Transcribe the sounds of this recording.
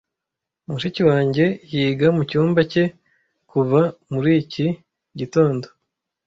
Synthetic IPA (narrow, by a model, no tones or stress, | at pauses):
umuʃiciwaːɲɟe̞jiːɡamucuːmbace̞ | kuvamuɾiːci | ɟito̞ːndo